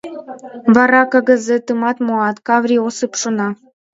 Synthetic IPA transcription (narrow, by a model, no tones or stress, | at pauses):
vɑɾɑkɤɣə̆zet̪ɯmɑt̪moɑt̪kɑvɾʲiosɨpʃonɑ